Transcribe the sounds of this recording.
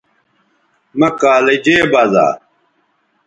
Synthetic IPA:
mɐkaːlɐd͡ʑeːbaza̰ː

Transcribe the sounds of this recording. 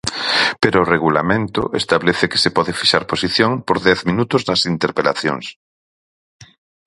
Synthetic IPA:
peɾoːreɣula̰mẽnt̪ʊ̰ʔḛst̪aβleθɪke̥sepɔðefiʃaɾposiθjoŋpoɾðɛθmĩnut̪ʊznɐsint̪eɾpela̰θjo̰ŋs

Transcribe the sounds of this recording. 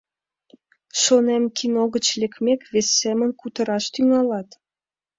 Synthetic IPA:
ʃonemkʰinoɣət͡ɕlekmekβesːemənkut̪əɾɑʃt̪yŋɑlɑt̪

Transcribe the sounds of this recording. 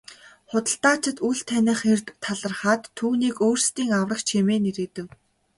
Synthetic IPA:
χʊt̪ə̆ɬt̪aːt͡ɕɪ̆t̪uɮt̪ʰænʲɪ̆χert̪ʰːaɮə̆rχaːt̪ʰːuːniːkoːrst̪iːŋawrə̆kt͡ɕʰemeːneɾɘ̆ːt̪ɘ̆w

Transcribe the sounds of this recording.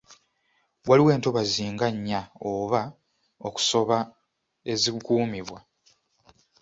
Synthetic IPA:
waliwe̞ːnto̞βaziːŋɡaɲːaoβa | oku̥so̞βa | e̞zikuːmiβwa

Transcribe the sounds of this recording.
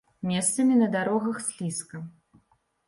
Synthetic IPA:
mʲɛst̪sɐmʲinɐd̪aɾɔɣɐxsʲlʲiskɐ

